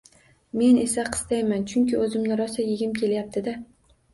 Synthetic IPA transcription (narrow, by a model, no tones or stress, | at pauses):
me̞ne̞saqʰɨ̥st̪ajmant͡ʃʰʊŋkʲɪɵzɪmnɪɾɒsajɪɡʲɪmkʲʰe̞ljap̚t̪ʰɪd̪a